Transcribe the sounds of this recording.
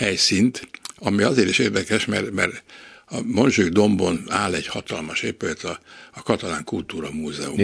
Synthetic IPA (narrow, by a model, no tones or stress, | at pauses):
hɛjsint̪ɒmiɒzeːɾiʃeːrd̪ɛkɛʃmɛ̰rmɛ̰rɒmo̞nʒyːɡd̪o̞mbo̞naːlɛɟ̥hɒt̪ɒlmɒʃeːpylɛt̪ʰɒːkɒt̪ɒlaːŋkult̪uːɾɒmuːzɛ̰ṵm